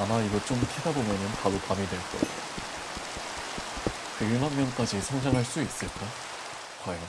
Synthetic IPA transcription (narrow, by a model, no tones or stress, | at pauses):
amaiɡʌt͡ɕ͈omkʰedabomjʌnɯnpaɾopamidwe̞ɭk͈ʌ̰ḛjo | kɯɭmanːʌnk͈ad͡ʑisʰʌŋd͡ʑaŋɦaɭs͈uis͈ɯɭ̚k͈a | kwajʌ